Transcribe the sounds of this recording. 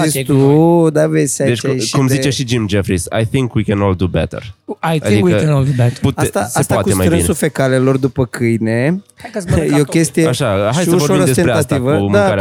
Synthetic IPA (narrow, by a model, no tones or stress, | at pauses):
isud̪avesad̪et͡ʃʃkumzit͡ʃeʃid͡ʒimd͡ʒefɾisa̰jθiŋkwikʲɛnold̪ubɛ̰t̪ə̰ɾaja̰d̪ikwkənolˠd̪ubɛtput̪at̪asaestp̪aatkuemaj̪ɾɨnisufekalelo̞rd̪upəkɨjne | jeokʲest̪ijeaʃaʃajsuʃvoɾoiɾod̪esenpɾeat̪ivəmd̪uakaɾa